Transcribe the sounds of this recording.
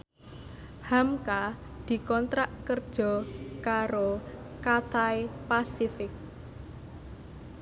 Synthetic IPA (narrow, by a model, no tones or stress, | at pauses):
hamka | d̪̥i̤kɔnt̪ɾaʔkərd̥ʒ̥ɔ̤kaɾo | kat̪ajpasifɪk̚